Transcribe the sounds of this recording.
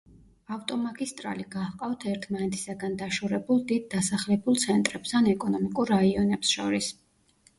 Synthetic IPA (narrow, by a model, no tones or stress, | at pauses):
aft̪ʼɔmaɡist̪ʼɾa̰liɡahqʼawt̪ʰɛɾt̪ʰmanɛt̪ʰi̥saɡand̪aʃuɾɛbulˠd̪id̪̚ːasaχlɛbulˠt̪sʰɛnt̪ʼɾɛbst̪ʰanɛkʼɔnɔmikʼuɾːaiɔnɛpsʃɔ̰ɾis